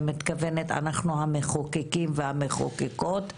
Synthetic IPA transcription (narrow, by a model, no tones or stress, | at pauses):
mit̪kavenet̪a̰naχnuhameχokekimvehameχo̰keko̞t̪